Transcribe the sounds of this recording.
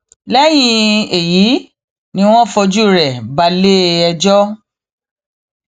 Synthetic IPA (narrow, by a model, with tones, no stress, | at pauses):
lɛ˦j̃ĩ˧e˨ji˨˦ | nĩ˧w̃ɔ̃˦fɔ˧d͡ʒu˦˨ɾɛ˨ba˧le˦ɛ˧d͡ʒɔ˦